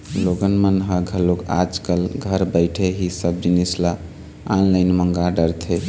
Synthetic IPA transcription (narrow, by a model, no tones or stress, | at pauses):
loɡənmənɦəɡʱəloka̰d͡ʒkəlɡʱəɾbəɪʈʰeɦisəb̚d͡ʒinisla | anləɪnməŋɡaɖəɾt̪ʰe